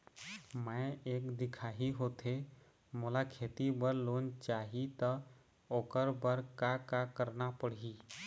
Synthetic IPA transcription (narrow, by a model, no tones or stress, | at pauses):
mə̃eːkd̪ɪkʰaɦiɦot̪ʰe | molakʰet̪ibəɾlont͡ʃaːɦit̪ə | oːkəɾbəɾkakakəɾnapəɽ̤i